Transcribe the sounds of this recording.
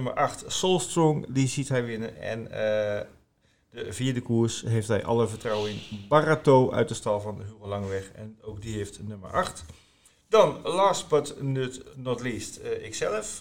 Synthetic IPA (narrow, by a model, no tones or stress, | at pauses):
ømə̰ɹʔɑxtsolˠstrɔŋdizitɦɛjʋɪnənɛ̰n | dəviːədəkuːɹsɦejftɦɛjʔɑ̰lˠəvətrɔwɪŋbaratoːʔœ̰ɥt̚dəstɑlˠvɑnhyənlɑŋəʋɛxɛ̰nowk̚diɦeftnømə̰ɹʔɑxt | d̥ɔnlaːst̚bətnøtnɔtliːstɪksɛlˠəf